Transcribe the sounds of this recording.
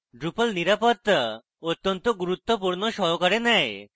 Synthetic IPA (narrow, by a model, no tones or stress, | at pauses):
ɖɾupəlniɾapɔt̪ː | ot̪ːɔnt̪ɔɡuɾut̪ːopuɾnɔʃɔɦɔkaɾenɛj